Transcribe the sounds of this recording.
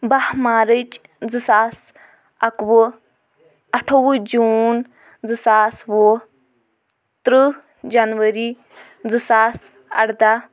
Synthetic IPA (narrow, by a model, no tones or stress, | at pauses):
bɐhmaːɾɨt͡ʃ | d͡zɨsaːs | ɐkʋɨ | ɐʈʰowud͡ʒuːn | d͡zɨsaːswo | t̪ɾɨ | d͡ʒɐnʋɐɾi | d͡zɨsaːs | ɐ̰ɽd̪a